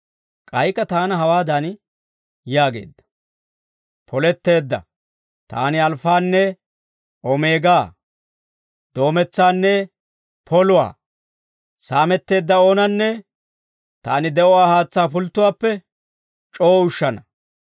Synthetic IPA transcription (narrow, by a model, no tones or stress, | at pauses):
kʼɐjkɐt̪aːnɐɦɐwaːd̪ɐn | jaːɡe̞̰ːd̪ːɐ̥ | pʰɔlɛt̪ːe̞ːd̪ːɐ̰ | t̪a̰ːnɪɐlfaːnːɛ | ɔme̞ːɡaː | d̪̥o̞ːmɛt͡sːaːnːɛ | pʰɔlʊwa̰ː | saːmɛt̪ːe̞ːd̪ːɐo̞ːnɐnːɛ | t̪aːnɪd̪ɛʔɔwaːhaːt͡sːaːfʊlt̪ːʊwaːpːɛ | t͡ʃʼo̞ːʊʃːɐnɐ